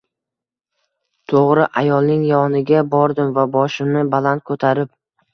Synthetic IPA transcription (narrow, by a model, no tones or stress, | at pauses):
t̪ʰoʁɾɪʔajɒlˠnɪŋjɒnɪɡʲabɒɾd̪ɪmvabɒʃɪmnɪbalant̪̚kʰɵt̪ʰaɾɪp̚